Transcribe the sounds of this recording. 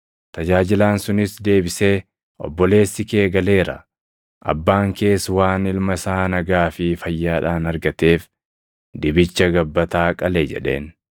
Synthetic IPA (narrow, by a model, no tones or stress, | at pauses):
t̪ɐd͡ʒaːd͡ʒɪlaːnsʊnɪsd̪e̞ːbɪse̞ː | ɔ̰bːɔle̞ːsːɪke̞ːɡɐle̞ːɾɐ̰ | ʔɐ̰bːaːŋke̞ːswaːnɪlmɐsaːnɐɡaːfɪfɐjːaːᶑaːnɐɾɡɐt̪e̞ːf | d̪ɪbɪt͡ʃːɐɡɐbːɐt̪aːkʼɐled͡ʒɛ̰ᶑe̞̰ːn